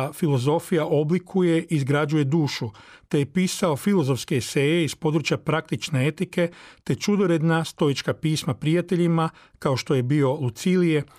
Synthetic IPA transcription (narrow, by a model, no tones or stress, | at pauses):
filo̞zo̞fijaʔo̞blikʰuje̞ʔizɡɾad͡ʒuje̞d̪uːʃu | t̪e̞jepiːsao̞filˠo̞zo̞fske̞iseːje̞ispo̞d̪ɾut͡ʃjapɾak̚t̪it͡ʃne̞e̞t̪ike̞t̪e̞t͡ʃud̪o̞ɾe̞d̪nast̪o̞jit͡ʃkapiːsmapɾijat̪e̞ʎima | kaoʃt̪o̞je̞bio̞lut̪silije̞